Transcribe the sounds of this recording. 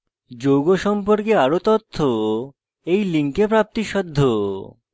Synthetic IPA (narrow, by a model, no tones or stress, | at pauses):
d͡ʑowɡoʃɔmpoɾkeaɾot̪ot̪ʰːo | ejliŋkepɾap̚t̪iʃɔd̪ʱːo